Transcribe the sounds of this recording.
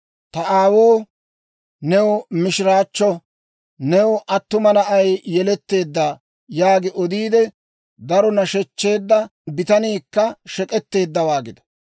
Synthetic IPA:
t̪ɐʔaːwoː | nɛwɔmɪʃɪɾaːt͡ʃːɔ | nɛwɔʔɐt̪ːʊmɐnɐʔɐjjɛlɛt̪ːe̞ːd̪ːaː | jaːɡɪʔɔd̪iːd̪ɛ | d̪ɐɾɔnɐʃɛt͡ʃːe̞ːd̪ːɐbɪt̪ɐniːkːɐʃɛkʼɛt̪ːe̞ːd̪ːɐwaːɡɪd̪ɐ̥

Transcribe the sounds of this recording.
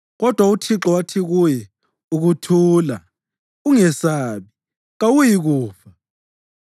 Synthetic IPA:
ɣɔd̥ʱwautʰiǁɔwatʰiɣujɛ | uɣutʰuːla̰ | uŋɛsaːβi | ɣawujiɣuːfa

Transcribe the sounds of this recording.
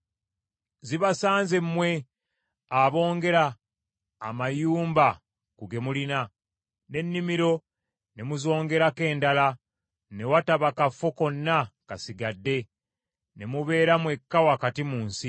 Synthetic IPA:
ziβasaːnze̞mːwe̞ | aβo̞ːŋɡe̞ɾaː | majuːmba | kuɡe̞mulina | ne̞nːimiɾo̞ | ne̞muzo̞ːŋɡe̞ɾake̞ːndala | ne̞wataβakafo̞ko̞nːakasiɡadːe̞ | ne̞muβe̞ːɾamwe̞kːawakatimuːnsi

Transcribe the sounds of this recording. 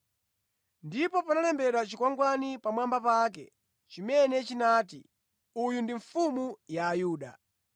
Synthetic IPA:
ndipɔpanalɛmbɛɾat͡ʃikwaŋɡwanipamwambapak̬ɛ̰ | t͡ʃimɛnɛt͡ʃinaːtḭ | ujundiɱfumujaːjuːɗa̰

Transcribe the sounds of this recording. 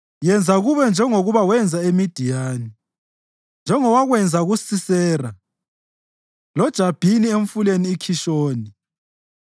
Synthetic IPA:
jɛnd͡zʱaɣuβɛnd͡ʒʱɛŋoɣuβawɛnd͡zʱaemid̥ʱijaːni | nd͡ʒʱɛŋɔwaɣwɛnd͡zʱaɣusisɛːra | lɔd̥ʒ̥ʱab̥ʱinieɱfuleniːkʰiʃoːni

